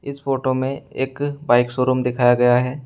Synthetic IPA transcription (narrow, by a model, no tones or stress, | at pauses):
ɪsfoːʈomẽeːkbaːɪksoːɾumd̪ɪkʰaːjaɡɐjaɦɛː